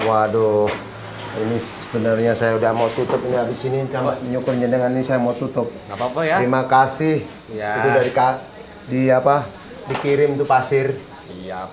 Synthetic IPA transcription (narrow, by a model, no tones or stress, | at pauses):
wadɔ | inis | əbənərɲasajaudahmat̪ut̪ʊp̚iniabɪsinisamaəɲukʊrɲadəŋaninisajamat̪ut̪ʊp̚aɾimakasɪh | it̪udadika | diapa | dikiɾɪmt̪upasɪrsia